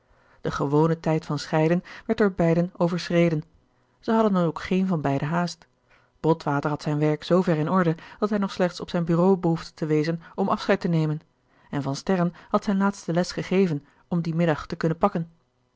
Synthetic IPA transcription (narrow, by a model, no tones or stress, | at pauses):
d̥əχəʋownətɛjtfɑnsχɛjdənʋɛɹt̚dʊːɹbɛjdənowvəɹsrejdən | z̥əɦɑdənɑnokχejnvɑnbɛjdəɦaːst | b̥ɔtʋaːtəɹɦɑtsɛjnʋɛɹksowvɛɹɪnɔɹdəd̥ɑtɦɛjnɔχslɛχtsɔpsɛjnbyːrowbəɦuftə̥təʋejzənɔmʔɑfsχɛjtənejmən | ɛnvɑnstɛɹənhɑtsɛjnlaːtstəlɛsχəχejvən | ɔmdimɪdɑχtəkɵnənpɑkən